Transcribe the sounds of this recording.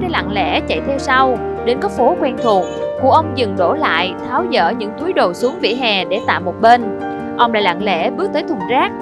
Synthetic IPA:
ɗe˧˩la̰ː˧˨ŋlɛ̰˧˥t͡ɕə̰˧˨jt̪ʰe˧wsa˧w | ɗe˨˦nkɔ˨˦˥fo˨˦kwɛ˧nt̪ʰu˨˩əŋ̚kṵ˧˩əʔə˧wŋ͡mzɨ˨˩ŋɗo˧˩la̰ː˧˨jt̪ʰaː˨˦wzə̰ː˧˥˩ɲɨ̰˧˥ŋt̪ʰu˨˦jɗo˨˩su˨˦əŋvḭ˧˨ɦɛ˨˩ɗe˧˩t̪a̰ː˧˨mo˨˩t̚ɓe˧n | ʔə˧wŋ͡mla̰ː˧˩la̰ː˧˨ŋlḛ˧˥ɓɨ˦˥ək̚t̪əː˨˦jt̪ʰʊ˨˩ŋ͡mzaː˦˥k̚

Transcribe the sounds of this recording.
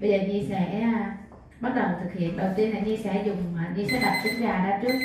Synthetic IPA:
ɓə˧jzəː˨˩ɲi˧sɛ̰˧˥ | ɓa˦˥t̚ɗə˨˩wt̪ʰɨ˨˩k̚hḭ˧˨ənɗə˨˩wt̪i˧ənlaː˨˩ɲi˧sɛ̰˧˩˥zʊ˨˩ŋ͡ma˨˩ɲi˧sɛ̰˧˥ɗa˨˩p̚si˧˦ŋzaː˨˩ɗaː˧t͡ɕɨ˦˥ək̚

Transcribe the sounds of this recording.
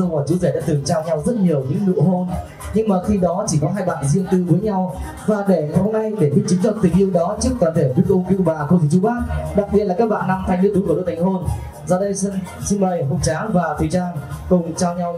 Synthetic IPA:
ə˧wmɔː˨˧˩t͡ɕi˨˦ze˧˩ɗa̰ː˧˥t̪ɨ˨˩ŋt͡ɕaː˧wɲa˧wzə˦˥t̚ɲi˨˩əwɲɨ̰˧˥ŋnɨ̰˧˨əɦo˧n | ɲɨ˧ŋmaː˨˩xi˧ɗɔ˨˦t͡ɕi˧˩kɔ˨˦ɦaː˧jɓa̰ː˧˨nzḭ˧əŋt̪ɨ˧vəː˨˦jɲa˧w | vaː˨˩ɗe˧˩ho˧mna˧jɗe˧˩ɓi˦˥t̚t͡ɕɨ˨˦ŋt͡ɕɔ̰˧˨˩t̪ï˨˩ŋ̟ʔi˧əwɗɔ˨˦t͡ɕɨ˦˥əkːaː˨˩t̪ʰe˧˩˨ɗu˦˥k̚ʔʊ˧ŋ͡mki˧˦ɓa̰ː˧˨kə˧t̪ʰt͡ɕu˨˦˥ɓaː˦˥t̚ɗa˨˩k̚ɓi˨˩ət̚laː˨˩kaː˦˥k̚ɓa̰ː˧˨nːa˧mt̪ʰa˧jŋnɨ̰˧˥ət̪u˨˦kːɗo̰˧˦t̪ʰa˨˩ŋ̟ɦo˧n | zɔ˧ɗə˧jsi˧nməː˨˩jɦʊ˨˩t̚t͡ɕaː˨˦vaː˨˩t̪ʰi˨˩t͡ɕaː˧ŋkʊ˨˩ŋ͡mt͡ɕaː˧wɲa˧w

